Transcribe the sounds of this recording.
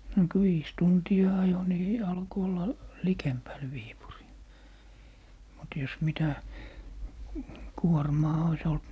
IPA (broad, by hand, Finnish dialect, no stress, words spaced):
no kŭ ʋiːs tuntiɑ ɑjo ni ɑlko olːɑ likempæl ʋiːpuriː mut jos mitæ kuormɑː ois olt